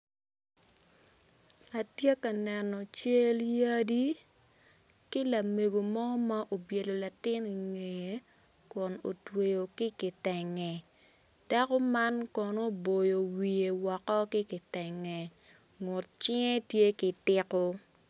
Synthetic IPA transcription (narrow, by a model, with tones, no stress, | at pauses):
a˨tje˦ka˨nɛ˨nɔ˨t͡ʃe˦lja˦di˦ | kɪ˦la˨me˨ɡo˨mɔ˦ma˦ʔo˨bje˨lo˨la˨tɪ˦ni˨ŋe˨˦ | kʊ˨no̰˨twe˨jo˨kɪ˦kɪ˨tɛ˨ŋɛ˨ | d̥a˦kɔ˦ma˦nkɔ˨no˦bo˨jo˨wi˨e˨wɔ˨kɔ˦kɪ˦kɪ˨tɛ˨ŋɛ˨ | ŋʊ˨t̚t͡ʃɪ˦ŋe˦tje˦kɪ˨tɪ˦kɔ˦